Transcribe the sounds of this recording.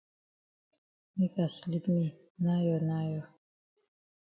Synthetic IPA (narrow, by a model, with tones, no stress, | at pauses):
mi˦ka˨sli˦pmi˨ | na˦jɔ˨na˦jɔ˨